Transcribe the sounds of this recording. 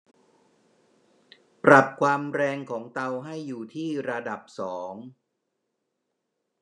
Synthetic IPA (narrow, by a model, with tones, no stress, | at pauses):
pɾa˨˩p̚kʰwaː˧mɾɛː˧ŋkʰɔː˩˦ŋt̪a˧wɦa˥˩jːuː˨˩t̪ʰiː˥˩ɾa˧da˨˩p̚sɔː˩˦ŋ